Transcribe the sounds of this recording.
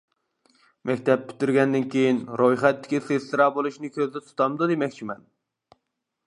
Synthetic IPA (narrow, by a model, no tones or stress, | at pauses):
mɛkʲt̪ʰɛp̚ːy̥t̪yɾɡʲɛnd̪ɪnkʲejinɾojχɛt̪ːɪ̥kʲiseslɨɾɑːbolˠuʃnɪkʲʰøzd̪ɛt̪ʰu̥t̪ʰɑmd̪ud̪emɛkʲt͡ʃʰimɛn